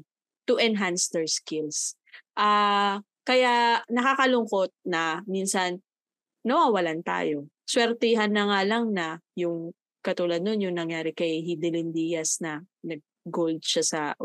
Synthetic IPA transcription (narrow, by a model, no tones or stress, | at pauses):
t̪ʊʔɛnɦansd̪ɛɹskɪls | ʔa | kɐjanɐkaːkɐlʊŋko̞t̪̚nɐminsɐnː | ɐwaːwɐlant̪a̰ːjo̞ | swɛɾt̪iɦanːɐŋalɐŋnɐjʊŋ | kɐt̪uːlad̪̚nonjʊŋnɐŋjaːɾɪkɐjɦid̪ɪlɪnd̪ijɐsnɐ | nɐɡ̚ | ɡold̪̚ʃasɐ